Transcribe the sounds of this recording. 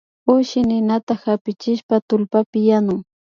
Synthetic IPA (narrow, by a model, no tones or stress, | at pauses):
ʊʃɪnɪnat̪ahapɪt͡ʃɪʃpat̪ʊlpapɪjanʊŋ